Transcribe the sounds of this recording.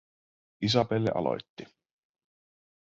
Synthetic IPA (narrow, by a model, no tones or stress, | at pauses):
is̬ɑpelːḛʔɑ̰lo̰jt̪ːi